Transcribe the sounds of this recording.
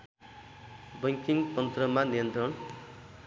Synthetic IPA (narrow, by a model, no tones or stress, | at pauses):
bʌŋkiŋt̪ʌnt̪rʌmanijʌnt̪rʌn